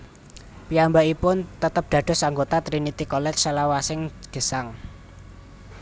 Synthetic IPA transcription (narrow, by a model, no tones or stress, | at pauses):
piambaipʊnt̪ət̪əp̚d̪̥ä̤d̪̥ɔ̤saŋɡot̪at̪ɾinit̪ikɔlɛt͡ʃsəlawasɪŋd̪̥ə̤saŋ